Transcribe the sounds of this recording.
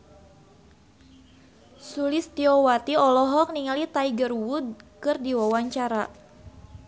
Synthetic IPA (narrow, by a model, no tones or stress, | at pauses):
sulist̪iɔwat̪iɔlɔɦɔk̚niŋalit̪aiɡərwud̚kɨrdiwawaɲt͡ʃaɾa